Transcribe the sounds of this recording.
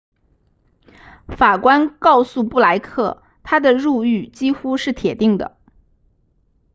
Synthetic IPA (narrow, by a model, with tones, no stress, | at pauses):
fa˨˩kwa˥nkɑ˥˧ʊsu˥˧pu˥˩la˧˥ɪkʰɤ˥˩ | t̪ʰa˥d̪ə˨ɻu˥˧y˥˩t͡ɕi˥xu˥ʂɻ̩˥˩t̪ʰjɛ˨˩t̪i˥˩ŋd̪ə̰˩